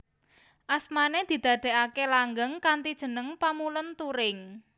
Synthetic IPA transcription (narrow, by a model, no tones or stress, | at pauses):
ʔasmaned̪̥i̤d̪̥ä̤d̪̥e̤ʔakelaŋɡəŋkant̪id̥ʒ̥ə̤nəŋpamulʊnt̪uɾɪŋ